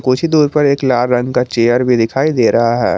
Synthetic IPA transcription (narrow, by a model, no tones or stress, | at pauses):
kuːt͡ʃʰid̪uːɾpɐɾeːklaːɾɾɐ̃ŋɡkat͡ʃeːəɾbʱid̪ɪkʰaːid̪eːɾɐɦaɦɛ̰ː